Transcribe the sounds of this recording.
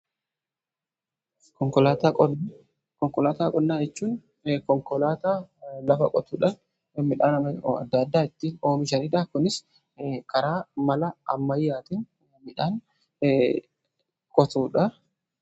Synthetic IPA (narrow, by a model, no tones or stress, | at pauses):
ɔŋkɔla | kɔŋkɔlaːt̪aːkʼɔnnːaːɛt͡ʃːuːn | kɔŋkɔlaːt̪aːlɐfɐkʼɔt̪uːᶑɐ | mɪᶑaːnɐm̰ɐ̰d̪ːɐd̪ːaːɪt̪ːiːno̞ːmɪʃ̬ɐnɪᶑaːkʊnɪs | kɐɾaːmɐlɐɐmːɐjːaːt̪ɪn | mɪᶑaːn | kʼɔt̪uːᶑɐ